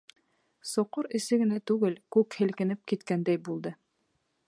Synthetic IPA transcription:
sŏqoɾɘ̆sɘɡɘ̆næt̪ʉɡɘlkʉkhɘ̆lkɘ̆nɘp̚kit̪kænd̪æjbulˠd̪ɤ

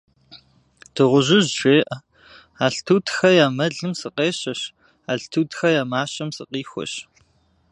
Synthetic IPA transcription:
d̥ʰɨʁʷʊʑɪʑʃʷeːʔɐ | aːɬtʰuːtʰxɐjaːmɐɮɨmsɨqeːɕɐɕ | aːɬtʰuːtʰxɐjaːmaːɕɐmsɨqiːxʷɔ̰ɕ

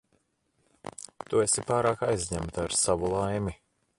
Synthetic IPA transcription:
t̪uesipaːɾaːkajzʲɲæmt̪aɾsavulˠajmi

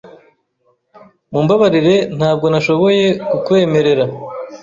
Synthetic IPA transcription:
muːmbaβaɾiɾe̞n̥haːb̚ɡo̞naʃo̞βo̞je̞kukwe̞ːme̞ɾe̞ɾa

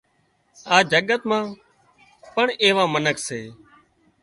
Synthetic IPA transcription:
aːd͡ʒəɠət̪mãː | pəɳeːʋãːmənəkseː

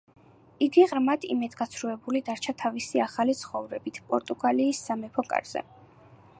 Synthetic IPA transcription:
iɡiʁɾmad̪ʰḭmɛd̪ɡat̪sʰɾuɛbulid̪aɾt͡ʃʰat̪ʰavisiaχalit̪sʰχɔvɾɛbit̪ʰpʼɔɾt̪ʼuɡaliːsːamɛpʰɔkʼa̰ɾz̥ɛ̰

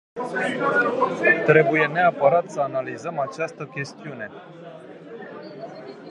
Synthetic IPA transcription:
t̪ɾe̞buje̞ne̞apəɾat̪səanalizəmat͡ʃast̪əkʲe̞st̪iune̞

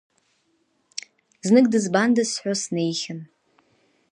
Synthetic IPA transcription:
znɨɡ̚dɨzbandɨsħʷᶣosne̞jχʲɪn

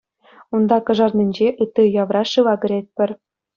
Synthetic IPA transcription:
und̪ɑkɤ̆ʐɑrnʲĭnʲd͡ʑeʔɯt̪ːɯjɑʋrɑʂɯʋɑɡɘ̆ɾʲet̪̚ʲpʲɘ̆rʲ

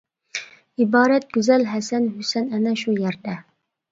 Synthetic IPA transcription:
ibɑːɾɛt̪̚ɡ̥ʲyzɛlɦɛsɛnhysɛnɛnɛʃujæɾd̪ɛ

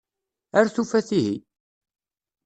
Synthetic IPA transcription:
əɾθufæθiɦi

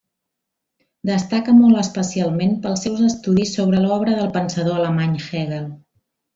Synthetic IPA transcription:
d̪əst̪akəmɔlˠəspəsialˠmenpəlˠsɛwzəst̪uðisːoβ̞ɾəlɔβɾəðəlˠpənsəðoələmaɲxɛɣəlˠ

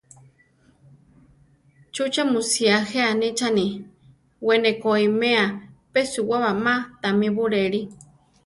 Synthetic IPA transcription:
t͡ʃut͡ʃamusiaheanit͡ʃani | wenekoimẽapesuwaβamat̪amĩβuɾeɾi

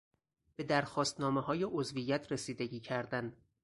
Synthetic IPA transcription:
b̥e̞d̪æɾxɒːst̪nɒːmehɒːjeʔozvijæt̪ʰɾesiːd̪eɟiːcʰæɾd̪æn

